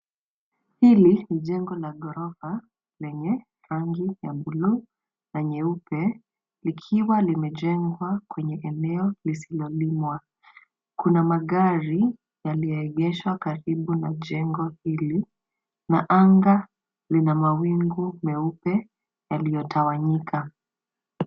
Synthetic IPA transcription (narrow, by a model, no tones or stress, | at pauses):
hiliniʄɛŋɡɔlaɡɔɾɔfa | lɛɲɛ | ɾaŋɡijaɓulu | naɲɛupɛ | likʰiwalimɛʄɛŋɡwakwɛɲɛʔɛnɛɔlisilɔlimwa | kunamaɠaɾi | jalijɔɛɠɛʃwakaɾiɓunaʄɛŋɡɔhili | naʔaŋɡa | linamawiŋɡumɛupɛ | jalijɔtʰawaɲikʰa